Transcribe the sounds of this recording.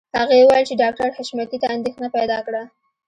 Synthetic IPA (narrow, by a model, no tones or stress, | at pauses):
haɣejwajlt͡ʃeɖɑk̚ʈaɾhaʃmakit̪aːnd̪exnapajd̪ɑkɽa